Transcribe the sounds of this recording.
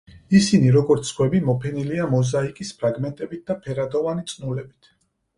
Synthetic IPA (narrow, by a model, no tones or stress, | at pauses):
isiniɾɔɡɔɾt̪sskʰwɛbimɔpʰɛniliamɔzaikʼispʰɾaɡmɛnt̪ʼɛbit̪̚d̪apʰɛɾad̪ɔvanit̪sʼnulɛbit̪ʰ